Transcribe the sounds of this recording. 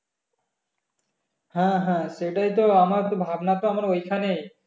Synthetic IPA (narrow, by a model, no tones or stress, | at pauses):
hãɦãseʈajt̪oamaɾt̪obʱabnat̪oamaɾojkʰanej